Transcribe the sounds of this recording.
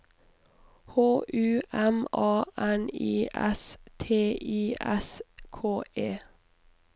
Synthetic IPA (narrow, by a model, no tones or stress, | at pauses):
hoːʔʉːʔɛmʔɑːʔɛniːʔɛ̰st̪ʰeːʔiːʔɛskʰoːʔeː